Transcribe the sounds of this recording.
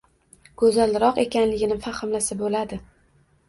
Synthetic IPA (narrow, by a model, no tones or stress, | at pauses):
ɡ̥ɵzalɾɒqe̞kʲanlɪɡʲɪnɪfaχɨmlasɪbolad̪ɪ